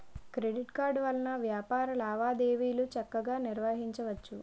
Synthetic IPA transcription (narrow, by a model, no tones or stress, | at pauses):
kɾeɖiʈkaːɾɖʋɐlɐnɐʋjaːpaːɾɐlaːʋaːd̪eːʋiːlut͡ʃɐkːɐɡaːniɾʋaːɦiɲt͡ʃɐʋɐt͡ʃːu